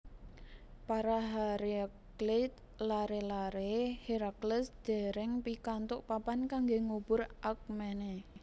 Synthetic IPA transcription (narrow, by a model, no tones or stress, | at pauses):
paɾaɦaɾi | klɪt̪̚ | laɾelaɾehiɾakləsd̪̥e̤ɾɛŋpikant̪ʊʔpapankaŋɡeŋub̥ʊrʔak̚mene